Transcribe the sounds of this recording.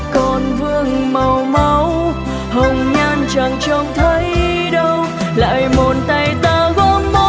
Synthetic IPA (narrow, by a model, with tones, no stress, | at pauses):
kɔ˨˩nvɨ˧əŋmə˨˩wmə˨˧˦w | hə˨˩wŋ͡mɲaː˧nt͡ɕa˨˩ŋt͡ɕə˧wŋ͡mt̪ʰə˨˧˦j | ɗə˧w | la̰ː˧˨jmo˨˩nt̪a˧˩jt̪aː˧ɣɔ˧˥mo˧